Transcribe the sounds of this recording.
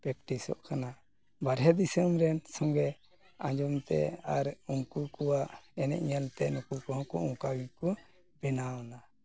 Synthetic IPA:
pɾɛk̚ʈisɔ̰ʔkana | baɾɦɛd̪isəmɾɛnsɔ̃ŋɡɛ | ãɲd͡ʒɔmt̪ɛ̰aɾuŋkukuwaʔɛnɛ̰ʔɲalt̪ɛnukukɔɦɔ̃kɔʔũkawikɔ | bɛnaɔna

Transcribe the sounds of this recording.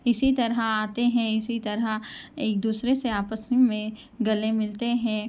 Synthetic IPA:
ɪsit̪ɐɾəaːt̪eɦɛ̃ɪsit̪ɐɾaeːk̚d̪uːsɾeseaːpəsimẽ | ɡɐlemɪlt̪eɦɛ̃ː

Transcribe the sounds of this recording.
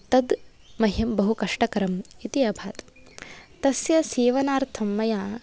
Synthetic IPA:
t̪ɐd̪ | mɐɦɐmbɐɦukɐʂʈɐkɐɾɐmit̪iɐbʱaːt̪ | t̪ɐsjɐseːʋɐnaːɾt̪ʰɐmːɐjaː

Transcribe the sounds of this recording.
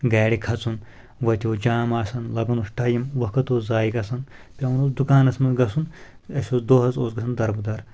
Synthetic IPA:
ɡaːɽikʰɐt͡sʰun | ʋɐt̪ʲioːd͡ʒaːmaːsɐnlɐɡɐnusʈʰɐjimʋɐkʰɐt̪oːzaːjiɡɐsɐn | pʲɐunosd̪ukaːnɐsmɐɡɐsun | ɐsʲoːsd̪oːɦɐzoːsɡɐsʰnd̪ɐɾbud̪ɐɾ

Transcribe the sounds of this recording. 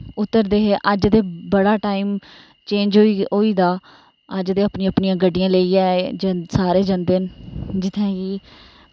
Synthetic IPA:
ʊt̪ːəɾd̪eːɦeːʔəd͡ʒd̪eːbəɽaːʈaːiːm | t͡ʃẽːɲd͡ʒioːiːd̪aː | əd͡ʒd̪eːəpnĩːəpniːãːɡəɖːɪjãːleiːaːd͡ʒəsaːɾeːd͡ʒənd̪ɪnd͡ʒɪt̪ʰːẽːkiː

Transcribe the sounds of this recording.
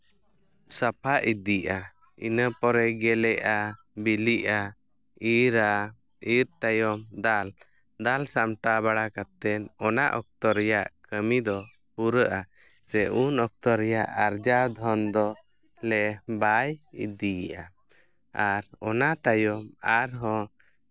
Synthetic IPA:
sapʰaʔid̪iʔa | ḭnəpɔɾɛɡɛlɛʔa | biliʔa | iɾa | iɾt̪ajɔmd̪al | d̪alsamʈabaɽakat̪ɛnɔnaʔɔk̚t̪ɔɾɛjaʔkəmid̪ɔ | puɾəʔa | sɛʔunɔk̚t̪ɔɾɛjaʔaɾd͡ʒad̪ʱɔnd̪ɔ | lɛbajḭd̪iiʔa | aɾɔnat̪ajɔmaɾɦɔ̃

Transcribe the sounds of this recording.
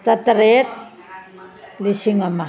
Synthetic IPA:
t͡sat̪ɾet̪̚ | lisiŋama

